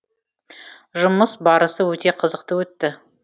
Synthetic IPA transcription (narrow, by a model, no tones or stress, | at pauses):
ʒʊməsbɑɾəsəwɵt̪e̞qʰəzəq̚t̪əwɵt̪ːɪ